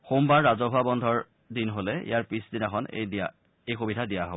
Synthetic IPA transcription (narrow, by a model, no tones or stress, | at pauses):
xombaɹːazɔɦabɔndʱɔɹ | dinɦolɛḭjaɹpisdinɛxʰɔn̰a | ejxobidʱadijaɦob